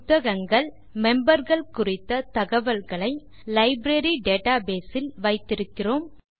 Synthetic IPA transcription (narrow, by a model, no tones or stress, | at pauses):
t̪ːɐɣɐŋɡɐɭ | mɛmbɐɾɣɐɭkʊrɪt̪ːɐt̪ɐɣɐʋɐlɣɐɭɐɪ | lɐɪbɾɐɾiɖeːʈaːbeːsɪlʋɐɪt̪ːɪɾɯkːɪroːm